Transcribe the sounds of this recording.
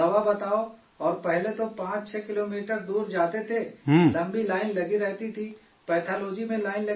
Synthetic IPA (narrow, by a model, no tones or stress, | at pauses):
ɐʋabɐt̪aːo | ɔːɾpɛɦlet̪opãːt͡ʃt͡ʃʰɛːkɪloːmiːʈəɾd̪uːɾd͡ʒaːt̪et̪ʰeɦlɐ̃mbilaːɪnlɐɡiɾɛɦt̪it̪ʰi | pɛːʈ̪ʰaːloːd͡ʒimẽlaːɪnlɐ